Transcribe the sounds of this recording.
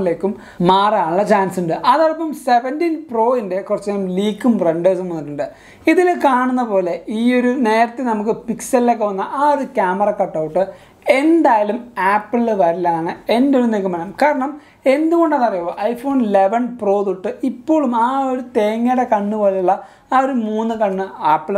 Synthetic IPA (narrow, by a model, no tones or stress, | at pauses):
ile̞ːkːumː | aːraːɳuɭːɐt͡ɕaːnsuɳɖɨʔɐðorɐpːɐmse̞ʋɐndinpro̞ːinde̞kurɐt͡ɕːɐːumliːkːumreɳɖɐːsumːɐnːiʈːuɳɖɨ | iðilkaːɳunːɐpo̞ːle̞iːo̞ɾune̞ːɾɐt̪ːenɐmuk̬ːɨpiksɐlile̞ːkːeʋɐnːɐʔaːoðukʲaːmɐrɐkɐʈːɐwʈːɨ | e̞nd̪aːjɐlumaːpːɨlɨʋɐɾilːaːɳɨe̞ndoɾunekumːɐnɐmkaːɾɐɳɐm | e̞nd̪uɣo̞ɳɖɐðɐrijoːʔɐjfo̞ːnle̞ʋɐnpro̞ːt̪uʈːɨipːo̞ːɭumaːo̞ɾut̪e̞ːŋːeɽekɐɳːuʋɐlɐuɭːɐ | aːoɾumuːnːɨkɐɳːɨaːpːil